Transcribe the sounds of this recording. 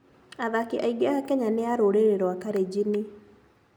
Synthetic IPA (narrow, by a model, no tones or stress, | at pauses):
aðakiʔaiɡeakɛɲaneaɾoɾeɾeɾwakaɾed͡ʑini